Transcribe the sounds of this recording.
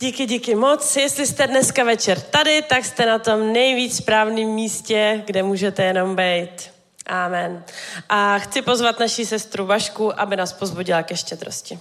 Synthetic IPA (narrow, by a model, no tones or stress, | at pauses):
ɟikɪɟikɪmo̞t͡sjɛst̪lɪst̪ɛdnɛskavɛt͡ʃɛɾt̪adɪt̪akst̪ɛnat̪o̞mnɛjviːt͡sspɾaːvniːmːiːscɛɡdɛmuːʒɛt̪ɛjɛno̞mbɛjt̪ | ʔaːmɛnʔaxt͡sɪpo̞zvat̪naʃisɛst̪ɾubaʃkuʔabɪnaːspo̞zbuɟɪlakɛʃcɛd̪ɾo̞̰scɪ